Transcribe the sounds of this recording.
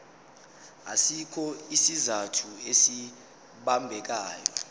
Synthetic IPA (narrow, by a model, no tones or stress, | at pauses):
a̰sikʰɔisizatʰuesi | ɓambʱɛk̬aːjɔ̰